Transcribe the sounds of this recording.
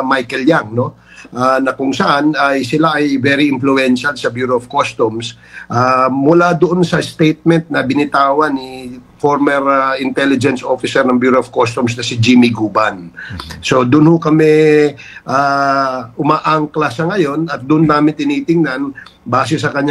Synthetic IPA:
majkɛljaŋno̞ | ʔanɐkʊŋsɐʔanɐjsɪlaʔɐjvɛɾɪʔɪnflʊɛnʃalsɐbjuːɾoːvkost̪ums | ʔamʊlad̪ʊʔonsɐst̪ejt̪̚mɛnt̪̚nɐbɪnɪt̪aːwɐnifoɾmɛɾʔɪnt̪ɛlɪd͡ʒɛnsʔo̞fɪsɛɾnɐŋbjuːɾoɐv̥kost̪ʊmsnɐsɪd͡ʒimɪɡuːbanso̞d̪ʊnhʊkɐmɛ | ʔa | ʊmaːʔaŋklasɐŋɐjo̞nɐt̪̚d̪ʊnd̪aːmɪnt̪ɪniːt̪ɪŋnanbaːs̬ɛsɐkɐɲː

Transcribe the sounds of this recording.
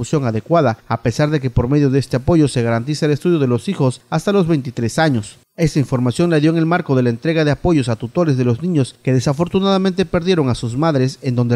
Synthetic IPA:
usjo̞ŋaðe̞kwaðaːpe̞saɾðe̞ke̞po̞ɾme̞ðjo̞ðeest̪eapo̞ʝo̞se̞ɣaɾant̪̬isaele̞st̪uðjo̞ðe̞lo̞sixo̞sast̪alo̞zβe̞jnt̪it̪ɾe̞saɲo̞s | e̞st̪aiɱfo̞ɾmasjo̞nlaðjoeŋe̞lmaɾko̞ðe̞lae̞nt̪ɾe̞ɣaðeapo̞ʝo̞sat̪ut̪o̞ɾezðe̞lo̞znĩɲo̞ske̞ðe̞safo̞ɾt̪unaðamẽ̞nt̪e̞pe̞ɾðje̞ɾo̞ŋasuzmaðɾe̞se̞nd̪o̞nd̪e

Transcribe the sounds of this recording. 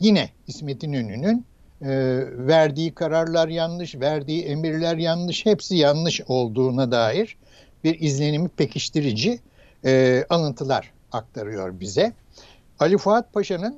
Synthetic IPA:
jinɛhisme̞t̪ʰinønynynː | væɾd̪iːkʰaɾaɾlˠaɾjanlˠɯʃvæɾd̪iːe̞miɾlʲæɾjanlˠɯʃhepsijanlˠɯʃo̞lˠd̪uːnad̪aːjiɾ̥ | biɾizlʲe̞nimipʰe̞cʰiʃt̪iɾid͡ʒi | alˠɯnt̪ʰɯlˠa̰ɾ̥ | ak̚t̪ʰaɾɯjo̞̰ɾbizɛ | alʲifat̪̚pʰaʃanɯn

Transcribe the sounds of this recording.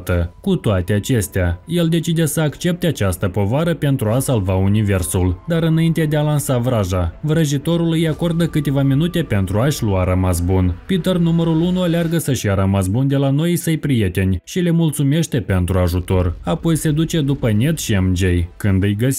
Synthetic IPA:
t̪əkut̪oat̪e̞at͡ʃe̞st̪eaje̞ld̪e̞t͡ʃid̪e̞səakt͡ʃe̞p̚t̪eat͡ʃast̪əpo̞vaɾəpe̞nt̪ɾuasalvaunive̞rsuld̪aɾɨnaint̪ed̪ealansavɾaʒavɾəʒit̪o̞ɾulujako̞rd̪əkɨt̪e̞vaminut̪e̞pe̞nt̪ɾuaʃʲluaɾamas̬bunpit̪ernuməɾulunualearɡəsəʃijaɾamas̬bund̪e̞lano̞jisəjpɾije̞t̪e̞nʲʃile̞mult̪sume̞ʃt̪e̞pe̞nt̪ɾuaʒut̪o̞rapo̞jse̞d̪ut͡ʃe̞d̪upənʲe̞t̪ʃiemd͡ʒejkɨnd̪ɨjɡəs

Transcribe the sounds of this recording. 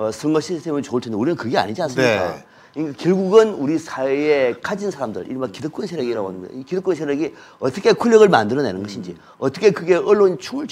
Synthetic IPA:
ʌsʰɯŋʌɕʰistʰemɯt͡ɕoɯɭtʰendeuɾinɯnkɯɡe̞a̰ɲid͡ʑiansɯnikkao̰ | iɲikakjʌɭɡuɡɯnuɾisʰaweekʰad͡ʑinsʰaɾamdɯ̰ɾʔḭɾimakidɯk͈̚unsʰeɾjʌɡiɾaɡoɦanɯnɡʌj̰kidɯk͈unsʰeɾjʌɡi | ʌt͈ʌkʰe̞kʰuʎːʌɣɯɭmandɯɾʌnḛnɯnɡʌɕʰind͡ʑi | ʌt͈ʌkʰe̞kɯɡe̞ʔʌɭːont͡ɕʰuŋɯɭ

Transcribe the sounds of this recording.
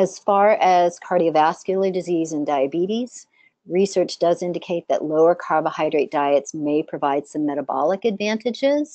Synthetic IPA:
ɨz̥fɑɹɨz̥kʰɑɹɾiɨvæskjl̩ˠidɨzizɨ̃ndaɪɨbiɾiz̥ | ɹisɜ˞t͡ʃd̥ʌzɪ̃ndɨkʰeɪt̪̚ðɨ̰ʔloʊə˞kʰɑɹvəhaɪdɹeɪt̚d̥aɪɨtsmeɪpʰɹ̥ɨvaɪd̥sʌ̃mːɛɾəbɑ̰lˠəkɨdvæ̃ntʰɨd͡ʒɪz̥

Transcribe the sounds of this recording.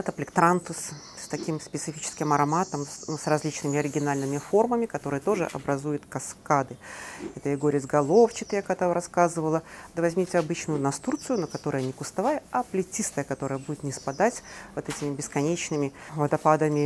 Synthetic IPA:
ɛt̪əplʲɪkt̪ɾant̪ʊs | sʲt̪ɐkʲimspʲɪt̪sɨfʲit͡ɕɪ̥skʲɪmɐɾɐmat̪əmusrɐzʲlʲit͡ɕnɨmʲɪɐɾʲɪɡʲɪnalʲnɨmʲɪfo̞rməmʲɪkɐt̪o̞ɾɨjət̪o̞ʐɨ̰ʔɐ̰bɾɐzujʊt̪kɐskad̪ɨɛt̪əjɪɡoɾʲɪzɡɐlˠo̞ft͡ɕɪt̪jakt̪avɾɐskazɨvəlˠəd̪əvɐzʲmʲitʲɪɐbɨt͡ɕnʊjʊnɐst̪urt̪sɨjʊnəkɐt̪o̞ɾəjənʲɪkʊst̪ɐvajəɐplʲɪtʲist̪əjəkɐt̪o̞ɾəjəbudʲɪt̪nʲɪspɐd̪atʲvot̪ɛtʲɪmʲɪbʲɪskɐnʲet͡ɕnɨmʲɪvəd̪ɐpad̪əmʲɪ

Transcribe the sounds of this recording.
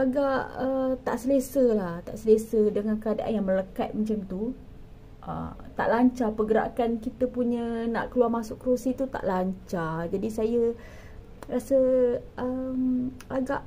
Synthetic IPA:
aɡaʔət̪a̰ʔsəlesəlaht̪aʔsəlesədəŋãnkəada̰ʔa̰njaŋmə̃ləkat̪̚mət͡ʃamt̪u | ʔə̰t̪a̰ʔlaɲt͡ʃapəɡəɾa̰ʔkankit̪əpuɲə̃nã̰ʔkəluarmasʊʔkəɾosit̪ut̪a̰ʔlaɲt͡ʃad͡ʒadisajə | rasəəmaɡaʔ

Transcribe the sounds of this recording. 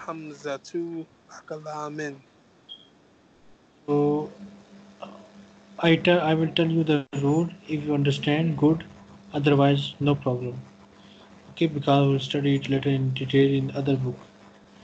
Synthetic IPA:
hɐmzɐt̪ʰu | akɐlaːmen | soː | aɪʈaɪʋɪlʈɛljuːd̪əɾuːɖɪfjuːɐ̃ɳɖəɾsʈɛ̃ɳɖɡʊɖɐd̪əɾʋaɪznoːpɾɔːbɾãm | oːkeːbɪkɔːzilsʈɐɖiʈleʈəɾɪ̃nɖiʈeːlɪ̃nd̪ɐd̪əɾbʊk

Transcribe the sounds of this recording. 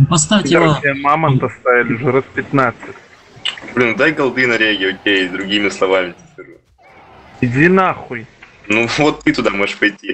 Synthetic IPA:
pɐst̪afʲd̪aimamɐnd̪ɐst̪ajʲalʲɪʐɨɾɐt̪pʲɪt̪nat̪sɨtʲ | blʲind̪ajɡɐlˠd̪ɨnɐɾʲeɡʲɪokʲejd̪ɾʊɡʲimʲɪslˠɐvamʲɪt̪ʲɪ̥sʲt̪ʲɨɾ | id̪ʲinaxʊj | nuvot̪ːɨt̪ʊd̪amoʐɨʂpɐjtʲi

